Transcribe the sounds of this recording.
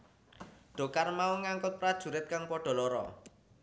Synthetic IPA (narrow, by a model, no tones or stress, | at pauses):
ɖ̥o̤karmauŋaŋkʊt̪̚pɾad̥ʒ̥ṳɾɪt̪̚kaŋpɔɖ̥ɔ̤lɔɾɔ̰